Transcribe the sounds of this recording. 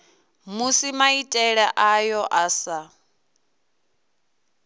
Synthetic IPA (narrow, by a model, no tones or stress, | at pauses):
musimaitʼɛɺɛʔajɔʔasa